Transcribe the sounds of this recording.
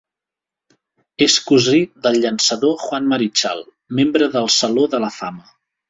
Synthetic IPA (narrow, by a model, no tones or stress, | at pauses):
eskuzid̪əlʎənsəðoxwanməɾit͡ʃa̰lˠ | membɾəðəlˠsəloðələfamə